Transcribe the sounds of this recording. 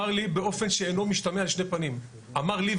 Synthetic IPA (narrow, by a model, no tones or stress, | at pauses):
aʁlibe̞o̞fe̞nʃeeno̞miʃtamealʃnepanim | amaʁli